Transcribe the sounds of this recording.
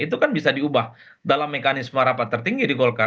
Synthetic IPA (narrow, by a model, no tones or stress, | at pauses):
it̪ukanbisadiubah | dalamːekanɪsmaɾapat̪ːərt̪iŋɡidiɡɔlka